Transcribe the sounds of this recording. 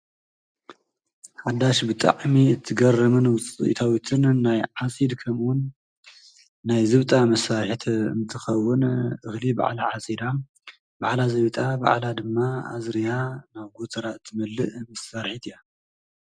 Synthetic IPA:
ħad̪aʃbɨt̪ʼa̰ʕmiɨt̪ʰːɨɡɐrɐmɨnwt͡sʼɨ̰ʔt̪ʰawit̪ʰɨnːajʕasʼid̪kʰɐmwʊn | ajzɨβt̪ʼamɐsaɾħit̪ʰɨ̰nt̪ʰɨxɐwːʊnʔɨxliba̰ʕlaʕasʼid̪a | baʕlazɐwt̪ʼaba̰ʕlad̪ɨmːaa̰zɾijanaβɡot̪ʰɐɾat̪ʰːɨmɐlːɨʔmɐsaɾħit̪ʰija

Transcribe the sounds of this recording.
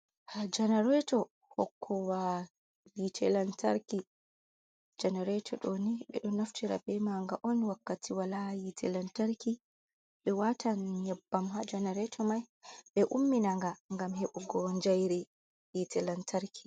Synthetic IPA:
had͡ʒɛnɛɾɛtɔ | hɔ̰kʰːɔwa | jitʰɛlantaɾki | d͡ʒɛnɛɾɛtʰɔɗoniɓɛ̰ɗɔnaftiɾa̰bɛmaŋɡaʔɔnwakːatʰiwalajitʰɛ̰lantaɾki | ɓɛwatanɲɛbːamɦad͡ʒɛnɛɾɛtʰɔmaj | ɓɛʔumːinaŋɡaŋɡamheɓuɡɔɲd͡ʒajɾɛ | jitɛlantaɾkʰi

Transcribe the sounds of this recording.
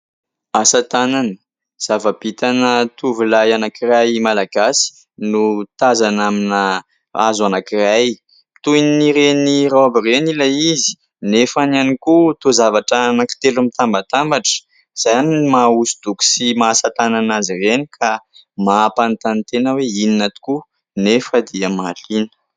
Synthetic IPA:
asat̪ananə̥ | z̥avab̥it̪anət̪uvilajanakirajmalaɡasi̥ | nut̪azanamina | a̰zuanakiraj | t̪ujiniɾenirawabirenilaizi̥ | nefananikut̪ozavaʈ͡ʂanaki̥t̪elumit̪ambat̪ambaʈ͡ʂə̥ | z̥aanimausu̥d̪uku̥simaːsat̪ananazirenikʰa | maapant̪ant̪enəweininat̪u̥ku | nefəd̪iamalinə̥

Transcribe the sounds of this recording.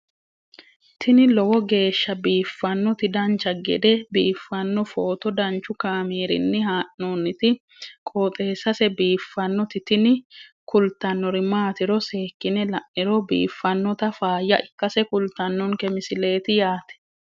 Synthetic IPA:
t̪ʰɪnɪlɔwɔɡe̞ːʃːɐbiːfːɐnːɔt̪ɪd̪ɐnt͡ʃːɐɡɛ̰d̪ɛbiːfːɐnːɔfoːt̪ɔd̪ɐnt͡ʃːʊkaːmeːɾɪ̰nːɪhaːʔonːɪt̪ɪ | kʼoːt̪ʼe̞ːsɐsɛbiːfːɐnːɔt̪ɪt̪ɪnɪkʊlt̪ːɐnːɔɾɪmaːt̪ɪɾɔse̞ːkːɪnɛlɐʔɪɾɔbḭːfːɐnːɔt̪ɐfaːjːɐʔɪkːɐsɛkʊlt̪ːɐnːɔnkɛmɪsɪle̞ːt̪ɪjaːt̪ɛ̥

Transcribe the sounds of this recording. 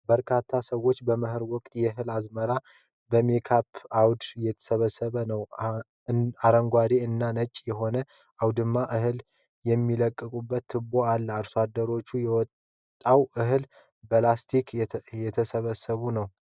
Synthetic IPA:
bəɾkʰat̪ʰːasəwːo̞t͡ʃːbəməhɨɾwɔkʼt̪ʼjɛɨɦɨlazməɾa | bəmekʰapʰawd̪jɛt̪ʰə̥səβəsːəβənəw | aɾəŋɡʷad̪eɨnːanət͡ʃʼːjɛɦo̞nə | awd̪ɨmːaʔɨhɨl | jɛmːiləkʼːɨkʼubːət̪ʰːɨboalːəaɾswad̪ːəɾo̞t͡ʃːujɛwɔt̪ | t̪ʼːawʔɨɦɨl | bəlast̪ʰikʰjɛt̪ʰəsəβəsːəβunəw

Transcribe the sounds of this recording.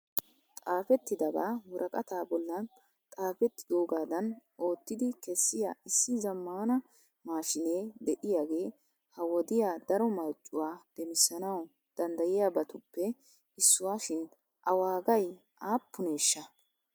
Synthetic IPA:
t̪ʼaːfɛt̪ːɪd̪ɐɡa̰ːwɔɾʔɐkʼɐt̪aːbɔlːɐn | t̪ʼaːfɛt̪ːɪ̥d̪o̞ːɡaːd̪ɐno̞ːt̪ːɪd̪ɪkɛsːɪjaːɪsːɪzɐmːaːnɐ | maːʃɪne̞ːd̪ɛʔɪjaːɡe̞ː | hɐwɔd̪ɪjaːd̪ɐɾɔmɐɾt͡ʃʼːʊwaːd̪̥ɛmɪsːɐnɐw | d̪̥ɐnd̪ɐjɪjaːbɐt̪ʊpːɛ | ɪsːʊwaːʃɪn | ʔɐwaːɡɐj | aːpːʊne̞ːʃːɐ

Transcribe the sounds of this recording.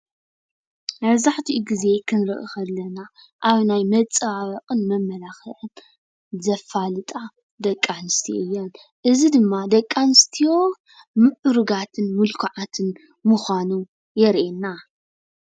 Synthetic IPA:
mɐβzaħt̪ʰiʔuɡize̞kʰɨnɾɨ̰ʔɨxɐlːɐna | ʔaβnajmɐt͡sʼɐaβɐqʼɨnmɐmːɐlaxɐʔɨn | zɐfalɨt̪ʼa | d̪ɐkʼːanɨst̪ʰijoɨjːon | ʔɨzid̪ɨmːad̪ɐkʼːanɨst̪ʰijo | mɨʕʔuɾuɡat̪ʰɨnmulkʰʊʕat̪ʰɨn | mʊxʷanu | jɛɾʔenːa

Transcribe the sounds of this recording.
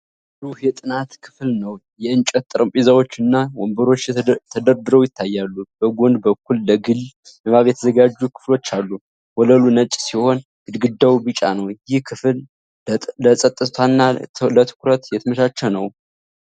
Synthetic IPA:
ɨzuhjɛt̪ʼɨnat̪kʰɨ̥flnəwjɛɨnt͡ʃʼət̪ʼːɨɾɨmpʼizawo̞t͡ʃːɨnːawɔmbəɾo̞t͡ʃːt̪ʰəd̪əɾd̪ɨɾəwjɪt̪ʰːajːalːub̥əɡʷond̪bəkʰːulːəɡɨlː | mɛmaβjɛt̪ʰəzəɡad͡ʒːukʰɨ̥flo̞t͡ʃːalːu | wɔləlunət͡ʃʼsiho̞n | ɨd̪ɡɨd̪ːawbɨt͡ʃʼa̰nəwjɪhkʰɨflː | əsʼət̪ʼːɨt̪ʰanːalət̪ʰɨ̥kʰuɾət̪jɛt̪ʰɨməʃat͡ʃːɛwnəw

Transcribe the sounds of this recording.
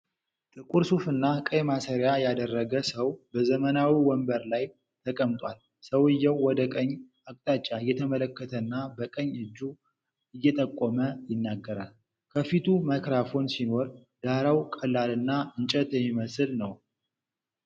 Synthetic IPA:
t̪ʼɨkʼuɾsufɨnːakʼəjmasəɾjajad̪ərːəɡəsəwbəzəmənawiwɔmbəɾlaj | t̪ʰəkʼəmt̪ʼwal | səwɨjːɛwːɔd̪əkʼəɲː | akʼt̪ʼat͡ʃʼːaɨjːɛt̪ʰəmələkːət̪ʰənːabəkʼəɲːɨd͡ʒːu | ɨjːɛt̪ʼəkʼːoməjɪnːaɡːəɾal | kʰəfit̪ʰumakɾafo̞nsino̞ɾd̪aɾawkʼəlːalɨnːaɨnt͡ʃʼɛt̪jɛmːiməsɨlnəw

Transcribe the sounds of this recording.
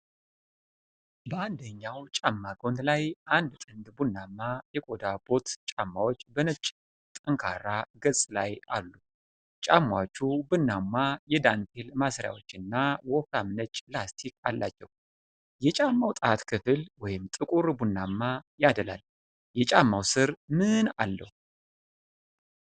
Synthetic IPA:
bəand̪əɲːawt͡ʃʼamːaɡʰo̞nt̪lajʔand̪t̪ʼɨnd̪bunːamːajɛkʼo̞d̪abo̞t̪t͡ʃʼamːawo̞t͡ʃːbənət͡ʃʼ | t̪ʼəŋkʰa̰ɾaɡəsʼlaja̰lːu | t͡ʃʼamːat͡ʃːubɨnːamːajɛd̪ant̪ʰe̞lmasɾja̰wo̞t͡ʃːɨnːawɔkamnət͡ʃʼːlast̪ʰikʰalːa̰t͡ʃːɛw | jɛt͡ʃʼamːawt̪ʼat̪kʰɨfɨlwɔjɪmt̪ʼɨkʼuɾbunːamːajad̪əla̰l | jɛt͡ʃʼamːawsɨɾmɨna̰lːə̰hu

